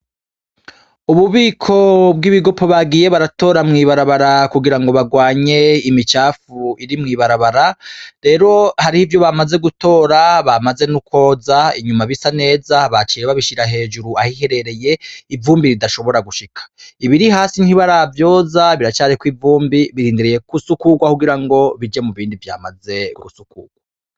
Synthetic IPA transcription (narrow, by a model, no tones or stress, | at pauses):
uβuβiːkʰo̞b̚ɡiβiɡo̞pʰo̞βaɡije̞βaɾato̞ːɾamŋiːβaɾaβaɾakuɡiɾaŋɡo̞βaɡwaːɲe̞imit͡ʃaːfuiɾimŋiːβaɾaβaɾaɾe̞ɾo̞haɾihivjo̞βamaze̞ɡuto̞ːɾaβamaze̞nuko̞ːzaiɲumaβisane̞ːzaβat͡ʃiɾeβaβiʃiɾaɦe̞ːd͡ʒuɾuahihe̞ɾe̞ɾe̞je̞ivuːmbiɾidaʃo̞βo̞ɾaɡuʃikʰḁiβiɾiɦaːsiniβaɾavjo̞ːzaβiɾat͡ʃaːɾikwivuːmbiβiɾiːndiɾije̞kusukuɡwakuɡiɾaŋɡo̞βid͡ʒemuβiːndivja̰ːmaze̞ṵɾusukuːɡ̥wa